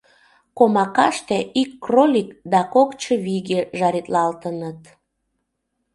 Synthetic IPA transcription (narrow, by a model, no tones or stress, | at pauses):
komɑkɑʃt̪eʔikːrolʲikd̪ɑkokt͡ɕəβiɣeʒɑɾit̪lɑlt̪ənət̪